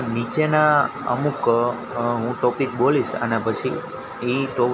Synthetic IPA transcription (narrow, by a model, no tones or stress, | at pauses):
nit͡ʃena | ə̰muk | ɦũʈɔpik̚boliʃa̰napət͡ʃʰiː | ʈo